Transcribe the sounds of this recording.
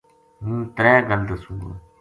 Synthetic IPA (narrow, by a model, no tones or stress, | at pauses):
mũːt̪ɾɛːɡəld̪əsuː